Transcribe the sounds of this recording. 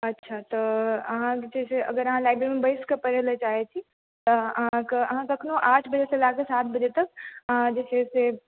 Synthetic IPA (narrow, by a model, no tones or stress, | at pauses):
ɐtːʃʰat̪ɐɐɦãkd͡ʒɛːseɐ̰ɡəɾɐɦãlaːɪbɾeːɾimẽbɐɪskepɐɾelet͡ʃaːɦet͡ʃʰi | t̪ɔɐɦãkeɐɦãkɐkʰnõʔaːʈʰbɐd͡ʒeselaːɡesaːt̪̚ʰbɐd͡ʒet̪ɐk̚əɦãd͡ʒɛːsese